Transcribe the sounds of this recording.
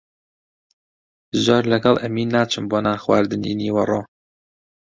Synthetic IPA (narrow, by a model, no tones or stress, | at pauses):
zoːɾlɐɡɐlˠʔɛmiːnːaːt͡ʃʰɨmboːnaːxwaːɾd̪ɨnḭniːwɐroː